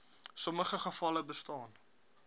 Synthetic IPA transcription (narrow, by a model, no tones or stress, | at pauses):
sɔməχəχəfɐləbəstɑːn